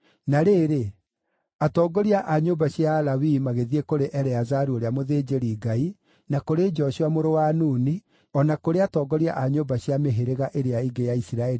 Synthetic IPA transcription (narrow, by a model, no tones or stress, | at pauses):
naɾeːɾe | atɔɡɔɾiaʔaɲoːbaɕjalawimaɣeðiekoɾeʔɛɾɛazaɾuoɾeamoðed͡ʑeɾiɡai | nakoɾed͡ʒɔɕuamoɾowaːnuːni | ɔnakoɾeatɔɡɔɾia̰ʔaɲoːmbaɕiameɦeɾeɣaʔeɾeaiɡejaisiɾaɛɾi